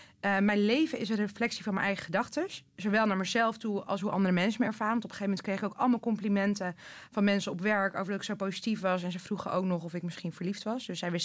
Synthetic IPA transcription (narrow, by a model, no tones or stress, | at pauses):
əmɛjnlejvəɪsənrəflɛksivɑnmɛ̰nʔɛjχə̥χədɑχtəszoʋɛlˠnaːɹməzɛlˠftuɑ̰lˠsɦuʔɑ̰ndəɾəmɛnsəməɛɹv̥aːɾəʋɑntɔpə̥χejfəmɛntkrejχɪkowkɑ̰lˠəmɑlˠkɔmplimɛntə | vɑnmɛnsəɔpʋɛɹko̰wvəɹdɑtɪksowpowzitifʋɑsɛnsəvruχəʔo̰wknɔχɔfɪkmɪsχinvəɹliftʋɑsdɵsɛjʋɪs